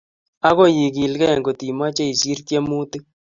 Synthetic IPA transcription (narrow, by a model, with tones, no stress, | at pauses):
a˦kɔ˦˨ji˨k̬i˨lkɛ˦ɛ˨ŋɡo˨ti˨ma˦t͡ʃɛ˦i˨si˦ɾtjɛ˦mu˦tɪ˦